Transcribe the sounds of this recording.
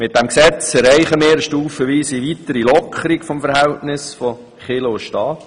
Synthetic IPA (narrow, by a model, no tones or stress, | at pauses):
mɪt̪̚d̥æmksɛt͡sɛɾɛɪχəmɪːɾəʃtuːfəʋiːsiʋit̪əɾilɔkʰəɾikfɔmfəɾhɛltnɪsfɔ | χɪloʊʃtɑːt